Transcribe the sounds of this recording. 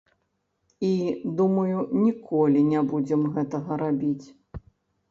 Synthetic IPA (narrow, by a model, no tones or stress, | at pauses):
id̪umɐjunʲikʰɔlʲinʲabud͡zʲɛmɣɛt̪ɐɣɐɾabʲit͡sʲ